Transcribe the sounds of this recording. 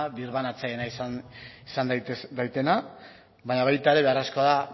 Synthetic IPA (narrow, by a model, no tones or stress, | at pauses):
βiɾβanat͡sajenasnisand̪ajt̪e̞na | βaɲaβajt̪ae̞ɾe̞βe̞arasko̞aða